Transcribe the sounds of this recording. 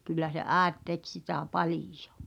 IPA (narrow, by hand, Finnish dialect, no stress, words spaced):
kylːæ se ʔæːet tek sitæˑ pɑlijo̥